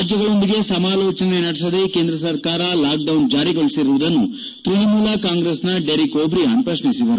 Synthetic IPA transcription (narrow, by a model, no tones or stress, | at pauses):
d͡ʒjɐɡɐɭo̞nd̪iɡe̞sɐmaːloːt͡ʃɐnenɐɽsɐd̪e̞ke̞ːnd̪ɾɐsɐɾkaːɾɐlaːk̚ɖɐwnd͡ʒaːɾiɡoɭisiɾuʋud̪ɐnːu | t̪ɾuɳimuːlɐkaːŋɡɾeːsnɐɖeɾikoːbɾiɐnpɾɐʂɳisid̪ɐɾu